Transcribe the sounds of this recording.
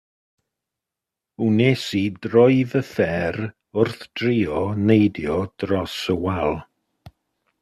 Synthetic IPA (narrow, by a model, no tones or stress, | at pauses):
unesidrɔɨvəfɛɾ | ʊrθd̥riːɔnejdjɔd̥rɔsəwɛlˠ